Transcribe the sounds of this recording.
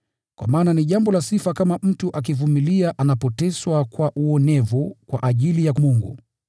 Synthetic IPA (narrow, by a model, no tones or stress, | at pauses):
kwʔa̰maːnaniʄambɔlasifakamam̩tuʔak̬ivumiliaʔanapɔtɛswakwaʔuɔnɛvukwaʔaʄilijamuŋɡṵ